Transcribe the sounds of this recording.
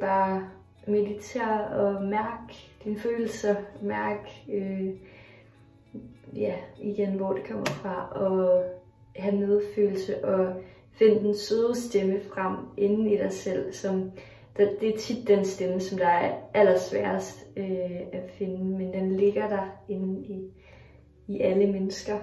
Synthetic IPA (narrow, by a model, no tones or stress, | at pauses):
b̥ɑ̈ː | me̝ðit͡sʰe̝̰ːɐ̰ɒ̽mæɐɡ̥d̥inføːl̩sɐmæɐɡ̥ø | jæiɡ̥enʋɒ̰d̥ukʰɒ̽m̰ɐfʁɑ̈ʔɒ̽ | ɦæne̝ð̞ˠfø̰ːl̩səʔɒ̽ | fe̝n̰əd̥ensøːðˠsd̥eməfʁam̰ʔe̝nn̩iɾ̥ɑ̈ɪsel̰sɒ̽m | d̥ɑd̥e̝æt͡sʰid̥ːensd̥eməsɒ̽md̥ɑ̈æɐæl̰ɐsʋæɐsd̥øæfe̝nəmend̥enle̝ɡ̥ɐd̥ɑ̈e̝nn̩i | iʔæləmenəsɡ̥ɐ